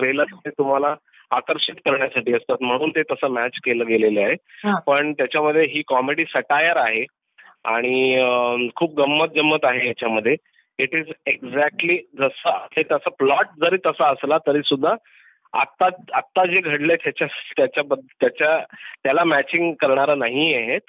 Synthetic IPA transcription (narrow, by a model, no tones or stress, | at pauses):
tɾeləɾt̪et̪um̤ala | akəɾʂit̪kəɾɳjasaʈiːəst̪at̪m̤əɽ̃uːnt̪et̪əsəːmæt͡ɕkeləːɡeleleaɦepəɳt̪jat͡ɕjaməd̪ʱːjeɦiːkɔmeɽiːsəʈajəɾaɦe | a̰ɽ̃i | kʰuːp̚ɡəmːət̪̚d͡ʑəmːət̪aɦejat͡ɕaməd̪ʱːje | iʈiːzeɡzæk̚ʈliːd͡zəsət̪et̪jasəplɔʈ̚d͡zəɾiːt̪əsaəslat̪əɾiːsud̪ʱːa | a̰t̪ːaat̪ːad͡ʑeɡʱəɽlet̪jat͡ɕat̪jat͡ɕjabəd̪ʱt̪jat͡ɕjat̪jalamæt͡ɕiŋɡkəɾɳ̃aɾənaɦiaɦet̪̚